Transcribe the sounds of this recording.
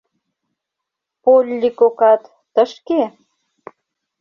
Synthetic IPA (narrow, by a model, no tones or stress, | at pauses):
polʲːikokɑt̪ːəʃke